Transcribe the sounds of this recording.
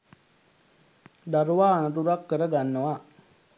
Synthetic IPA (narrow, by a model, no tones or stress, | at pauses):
d̪aɾuʋaːnət̪̬uɾakːəɾəɡanːəʋa